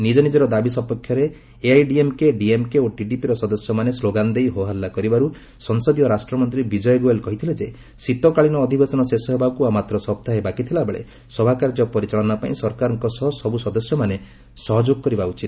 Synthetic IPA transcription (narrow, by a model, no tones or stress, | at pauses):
nid͡ʒɔnid͡ʒɔɾɔd̪abisɔpɔkʰːjɔɾeː | ajɖiemkeɖiemkeoʈiʈipiɾɔsɔd̪ɔsjɔmanesloɡand̪ejɦoɦalːakɔɾibaɾu | sɔnsɔd̪ijɔɾasʈɾɔmɔnt̪ɾibid͡ʒɔjeɡuelkɔɦit̪ʰiled͡ʒe | sit̪ɔkaɭinɔːd̪ʱibesɔnɔsesɔɦebakuamat̪ɾɔsɔp̚t̪aɦebakit̪ʰilaebeɭḛ | sɔbʱakaɾd͡ʒɔpɔɾit͡ʃaɭɔnapaĩsɔɾkaɾɔŋkɔsɔɦɔsɔbusɔd̪ɔsjɔmane | sɔɦɔd͡ʒoɡɔkɔɾibaut͡ʃit̪̚